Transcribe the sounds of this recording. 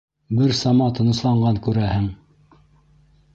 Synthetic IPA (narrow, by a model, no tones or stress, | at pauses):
bɘɾsɑmɑt̪ɤ̆nɤ̆slˠɑɴɢɑŋkʉɾæhɘŋ